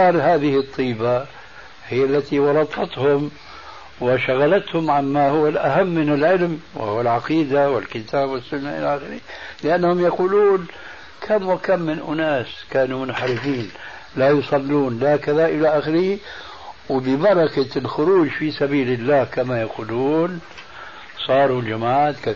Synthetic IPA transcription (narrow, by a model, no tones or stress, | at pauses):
ɑːɾˤɦaːðɪhɪt̪ˤːiːba | hɪjːalːat̪iwɑɾˤɑt̪ˤɑt̪hʊm | wɪʃaɣalat̪hʊmʕanːahʊwːalʔaɦamːɪnɪlʕɪlmwɪ̰hʊwːalʕɑqiːd̪awɪlkɪt̪ʰaːbwɪsːʊnːaʔɪ̰laʔaxɪɾɪhlɪʔanːhʊmjaquːluːn | kʰamwɪkamːɪnʔʊnaːskaːnumʊnħaɾɪfiːn | lajʊsˤɑlːuːnlakaðaʔɪlaʔaxɪɾɪhi | wɪbɪbɑɾˤɑkalxʊɾuːd͡ʒfisabiːlɪlːaːhkamajaquːluːn | sˤɑːɾˤuld͡ʒamaʕaːt̪ka